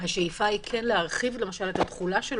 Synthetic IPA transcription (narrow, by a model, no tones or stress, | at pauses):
haʃejifaikʰenleaʁχivle̞maʃale̞t̪at̪χulaʃel